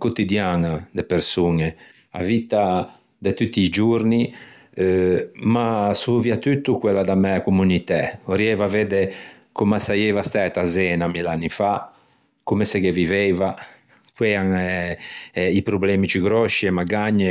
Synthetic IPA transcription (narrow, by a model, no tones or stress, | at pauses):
kut̪id̪janad̪epeɾsuŋe | a̰vit̪a | d̪et̪ut̪ːiːd͡ʒuɾni | masuviat̪yt̪ːukwɛlːad̪amɛakumunit̪ɛoɾjɛvaved̪e | komasajɛvast̪ɛt̪azɛːnamilanːifa | kumesɛkevivɛva | kwɛaŋ | ɛipɾublɛːmit͡ʃyɡɾɔʃiɛmaɡaɲːe